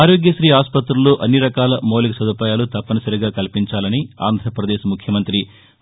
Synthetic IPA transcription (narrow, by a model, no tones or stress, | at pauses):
aːɾoːɡjɐʃɾiːaːspɐt̪ɾuloːʔɐnːiɾɐkaːlɐmoːlikɐsɐd̪upaːjaːlut̪ɐpːɐnɐsɐɾiɡaːkɐlpiɲt͡ʃaːlɐnia̰ːnd̪ʱɾɐpɾɐd̪eːʃmukʰjɐmɐnt̪ɾi